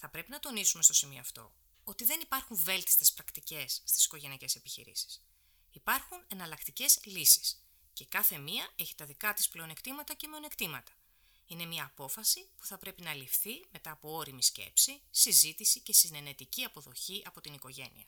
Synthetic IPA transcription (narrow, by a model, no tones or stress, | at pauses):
θɐpɾe̞pinɐt̪o̞nisume̞st̪o̞simio̞ːɐft̪o̞̰ | ot̪iðe̞nipɐɾxuɱve̞lt̪i̥st̪e̞spɾɐkt̪ice̞sːt̪i̥si̥ko̞ʝe̞nice̞se̞piçḭɾḭsi̥s | ipɐɾxunenɐlɐkt̪ice̞zlisi̥s | ce̞kɐθe̞miɐe̞çi̥t̪ɐðikɐt̪isple̞o̞ne̞kt̪imɐt̪ɐce̞me̞o̞nekt̪imɐt̪ɐ̥ | ine̞miɐːpo̞fɐsipu̥θɐpɾe̞pinɐlifθime̞t̪ɐːpo̞o̞ɾimisce̞̰psisizit̪isice̞sine̞ne̞t̪iciɐpo̞ðo̞çiʔɐpo̞t̪iniko̞ʝe̞̰nḭɐ̰